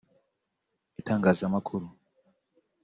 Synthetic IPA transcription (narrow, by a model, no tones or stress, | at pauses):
itaːŋɡaːzamakʰuɾu